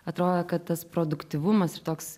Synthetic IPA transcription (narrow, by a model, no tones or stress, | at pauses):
ɐt̪ɾoːd̪ɐkɐt̪̚t̪ɐspɾoːd̪ʊkt̪ʲiʋʊmɐsɪɾt̪oːks